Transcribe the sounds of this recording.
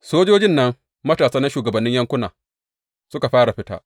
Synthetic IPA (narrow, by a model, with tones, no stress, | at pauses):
soː˦d͡ʒoː˦d͡ʒɪ˦nːɐ˦ŋ | mɐ˦taː˨saː˦na˦ʃuː˨ɡɐ˨bɐ˨nːɪ˦ɲjɐ˦ŋkʷʊ˦naː˨ | sʊ˦ka˨ɸaː˦ɽa˨ɸɪ˦ta̰ː˦ʔ